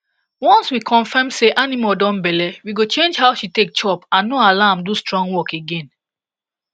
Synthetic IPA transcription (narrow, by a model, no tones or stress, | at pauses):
wɔ̃nswikʰɔ̃nfɛmseʔanĩmɔdɔ̃nbɛlɛwiɡot͡ʃẽnd͡ʒɦaʊʃitek̚t͡ʃɔpãnːoalamdustɹɔ̃ŋɡwɔkeɡẽn